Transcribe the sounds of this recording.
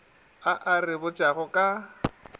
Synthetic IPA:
aʔarɪbʊt͡ʃʼaɣɔkʼa

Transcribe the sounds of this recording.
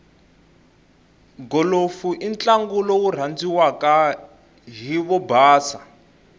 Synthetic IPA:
ɡɔlofuʔint͡ɬaŋɡulɔwur̤and͡ziwaka | ɦiβɔbaːsa

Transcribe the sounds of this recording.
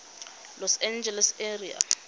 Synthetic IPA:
lɔsɛnd͡ʒɛlɛsɛria̰

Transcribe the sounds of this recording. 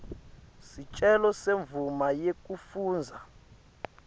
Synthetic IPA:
sit͡ʃʼɛlɔseɱvumajek̬ʼufuːnd͡zʱa

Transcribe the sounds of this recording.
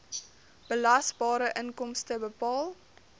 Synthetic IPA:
b̥əlɐsbɑːɾəʔənkɔmstəbəpɑːlˠ

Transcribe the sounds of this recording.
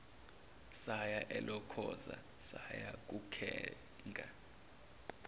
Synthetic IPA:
sajaʔɛlɔkʰɔza̰ | sajak̬ʼukʰɛː | ŋɡʱʼa

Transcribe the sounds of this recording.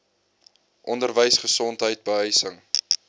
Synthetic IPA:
ʔɔndərvəjsχəsɔntɦəjt̚bəɦəjsəŋ

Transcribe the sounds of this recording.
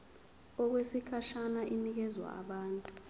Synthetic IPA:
ɔk̬wesikʰaʃanaʔinik̬ɛzwa̰a̰ɓaːntʼu

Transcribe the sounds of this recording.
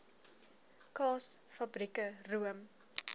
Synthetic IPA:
kɑːsfɐbrikəruəm

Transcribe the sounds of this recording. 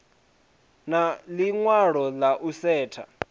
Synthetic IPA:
naliŋwaɺ̤ɔlaʔusɛːtʰa̰

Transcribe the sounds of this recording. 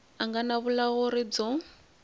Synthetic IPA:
aŋɡanaβulaɣɔɾid͡zɔ

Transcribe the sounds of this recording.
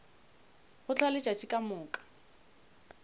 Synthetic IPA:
χʊt͡ɬʰalɪt͡ʃʼat͡ʃʼikʼamʊːkʼḁ

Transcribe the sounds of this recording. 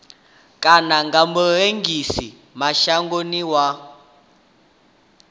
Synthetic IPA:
kʼanaŋɡamuɦeŋɡisi | maʃaŋɡoniwa

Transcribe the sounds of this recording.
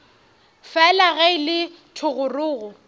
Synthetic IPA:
fɛlaɣaɪlɪ | tʰʊɣʊrʊːɣʊ

